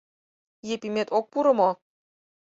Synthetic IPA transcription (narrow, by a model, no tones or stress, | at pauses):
jepimet̪ok̚puɾɤ̆mo